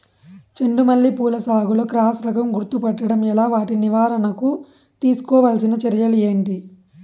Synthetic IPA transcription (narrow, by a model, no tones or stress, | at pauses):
t͡ʃeɳɖumɐlːipuːlɐsaːɡuloːkɾaːsɾɐkɐmɡuɾt̪upɐʈːɐɽɐmɛlaːʋaːʈiniʋaːɾɐnɐku | t̪iːsu̥kɔːʋaːlsinɐt͡ʃɐɾɐjɐlue̞ːɳʈi